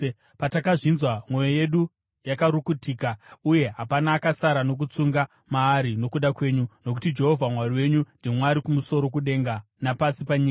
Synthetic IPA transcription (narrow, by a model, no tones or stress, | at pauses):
patakaʐinzwamwo̞joje̞ɗu | jakaɾukutiːkauje̞ɦapanaːkasaɾano̞k̬ut͡suŋɡa | maːɾino̞kuɗakwe̞ːɲuno̞k̬utid͡ʒe̞ɦo̞vʱamwariwe̞ɲundimwaɾikumuso̞ɾo̞kuɗe̞ŋɡa | napasipaɲiːka